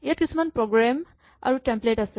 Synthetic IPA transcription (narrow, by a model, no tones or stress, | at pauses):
ijatkisʰumanpɹɔɡɹam | a̰ɹutɛmpletasɛ